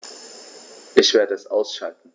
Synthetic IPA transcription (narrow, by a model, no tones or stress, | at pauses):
ʔɪçv̥eːɐdəɛsʔaʊsʃaltn̩